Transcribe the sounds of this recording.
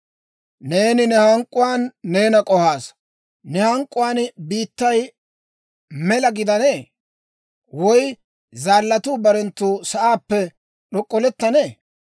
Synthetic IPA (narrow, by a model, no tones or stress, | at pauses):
ne̞ːnɪnɛhɐŋkʼːʊwaːnːe̞ːnɐkʼɔhaːs | nɛhɐŋkʼːʊwaːnbiːt̪ːɐj | mɛlɐɡɪd̪ɐneː | wɔj | zaːlːɐt̪uːbɐɾɛnt̪ːuːsɐʔaːpːɛ | ɗɔkʼːɔlɛt̪ːɐneː